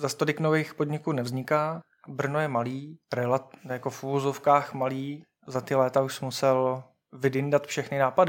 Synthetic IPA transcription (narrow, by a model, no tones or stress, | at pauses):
zast̪odɪknovɛjxpo̞dɲɪkuːnɛvzɲɪkaː | br̩nojɛmaliːɾɛlajakofuvozofkaːxmaliː | zat̪ɪlɛːt̪auʃsmusɛl | vɪdɪndat̪fʃɛxnɪnaːpadɪ